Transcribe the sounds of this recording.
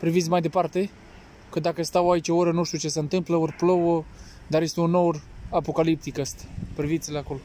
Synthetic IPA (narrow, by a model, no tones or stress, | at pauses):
pɾivit̪sʲmajd̪e̞part̪e̞ | kəd̪akəst̪await͡ʃʲooɾənuʃt̪ʲut͡ʃe̞seɨnt̪ɨmpləorʲplowə | d̪arje̞st̪eunːowrapo̞kalip̚t̪ikəst̪ḁpɾivit̪sʲileako̞lo̞